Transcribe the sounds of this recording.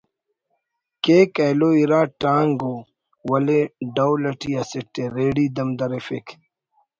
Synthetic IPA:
keːkɐjloːiɾaːʈaːŋɡoː | wɐleɖɐwlɐʈʰiɐsiʈːeɾeːɽiːd̪ɐmd̪ɐɾefekʰ

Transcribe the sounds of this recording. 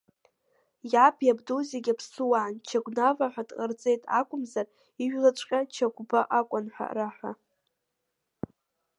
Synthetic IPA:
japʰjabdozeɡʲapʰsɨwaʕnt͡ʃʰaɡʷnavaħʷᶣadʼqʼart͡sʼe̞jtʼa̰kʷʼʊmzar | iʒᶣlat͡ʃʷʼqʲʼat͡ʃʰaɡʷbaʔakʷʼanħʷa̰raħʷᶣa

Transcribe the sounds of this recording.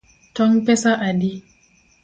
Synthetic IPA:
tɔŋpɛsaʔadi

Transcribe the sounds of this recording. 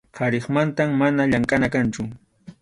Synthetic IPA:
qɑɾeχmant̪amːanaʎaŋkʼanakant͡ʃʊ

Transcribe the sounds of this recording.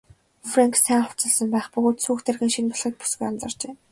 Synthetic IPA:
fraŋksæːχʊ̥t͡sə̆ɮsə̆mpæːχpɵɣoːt̪suːxt̪ʰerɣʲĭːŋʃinpɔɮχə̆t̪̚pu̥sɡujamt͡sɞ̆rt͡ɕeː

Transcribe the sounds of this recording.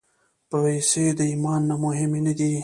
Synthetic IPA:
pəwesed̪əimɑnːamʊɦɪmenad̪i

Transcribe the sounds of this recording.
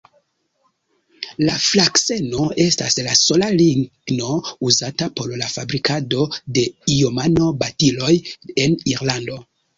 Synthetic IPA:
laflakse̞no̞e̞sta̰slaso̞laliɡno̞uzatapo̞ɾlafabɾikado̞de̞ijomano̞batilo̞jeniɾlando̞

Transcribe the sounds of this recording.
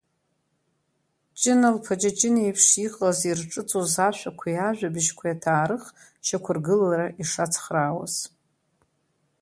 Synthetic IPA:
t͡ʃʼɪnalpʰad͡ʒat͡ʃʼɪnejpʰʂiqʼazirʈ͡ʂʼɨt͡sʼozaʃʷᶣakʷʰajaʒᶣabɨʃkʷʰajatʰaːɾɨχ | ʃakʷʰʊrɡɨlaɾaʔiʂat͡sʰχraːwa̰z̥

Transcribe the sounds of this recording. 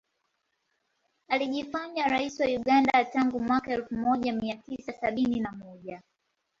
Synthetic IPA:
aliʄifaɲaɾaisiwajuɠandataŋɡumwakaɛlfumɔʄamiatisasaɓininamɔʄa

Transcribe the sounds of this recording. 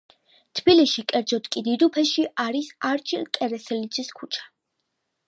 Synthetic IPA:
t̪ʰbiliʃikʼɛɾd̪zɔt̪ʼkʼid̪id̪upʰɛʃiʔaɾisaɾt͡ʃʰilkʼɛɾɛsɛlid̪zʼiskʰut͡ʃʰḁ

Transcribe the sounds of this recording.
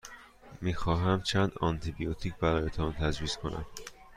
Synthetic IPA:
miːxɒːɦæmt͡ʃʰænd̪ɒnt̪ʰibijot̪ʰiːcʰbæɾɒːjet̪ʰɒːnt̪ʰæd͡ʒviːskʰo̞nʔæ̰m

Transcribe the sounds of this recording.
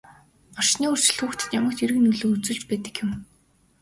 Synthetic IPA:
ɔrʃniːɵr̥t͡ɕɪ̆ɮxuːxt̪ʰɘ̥̆t̪jamə̆kt̪eɾɘ̆knɵɮoːut͡sɵ̆ɮt͡ɕpæːt̪ə̆kjʊ̆m

